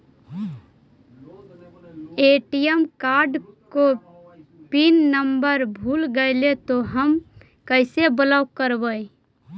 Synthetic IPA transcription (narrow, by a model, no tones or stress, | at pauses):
eːʈijəmkaːɾɖko | pinːəmbəɾbʱuːlɡəelet̪oɦəm | kəɪsebəlaʊkəɾbəi